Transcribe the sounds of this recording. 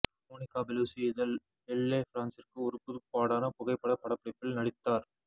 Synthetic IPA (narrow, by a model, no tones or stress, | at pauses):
moːnɪkːaːbɛluːsiɪðɐl | ɛlːeːfɾaːnsɪrkɯʊɾɯpːʊðɯpːaːɽaːnɐpʊɣɐɪpːɐɽɐpːɐɽɐpːɐɽɪpːɪlnɐɽɪt̪ːaːɾ